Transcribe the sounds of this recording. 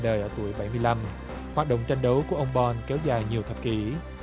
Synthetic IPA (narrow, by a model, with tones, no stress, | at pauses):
ɗəː˨˩jʔəː˧˩t̪u˧˩əjɓa˧˩jmɨ˧əjla˧m | hwaː˨˩t̚ɗə̰˧˨ŋ͡mt͡ɕa˧jŋ̟ɗə˨˦wku˧˩əʔə˧wŋ͡mɓɔ˧nkɛ˨˦wzaː˨˩jɲi˨˩əwt̪ʰə˨˩p̚ki˧˩˦